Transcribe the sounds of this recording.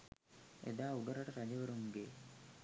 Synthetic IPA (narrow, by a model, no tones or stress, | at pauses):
ḛd̪aːuɡəɾaʈəɾad͡ʒəʋəɾuŋɡeː